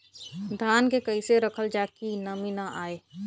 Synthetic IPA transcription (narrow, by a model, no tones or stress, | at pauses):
d̪ʱaːnkekəɪseɾəkʰəld͡ʒaːkinəminaʔaːeː